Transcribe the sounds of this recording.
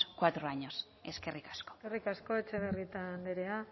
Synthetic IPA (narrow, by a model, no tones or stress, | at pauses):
kwat̪ɾoaɲo̞s | eskerikḁsko̥erikasko̞e̞t͡ʃeβerit̪and̪eɾe̞a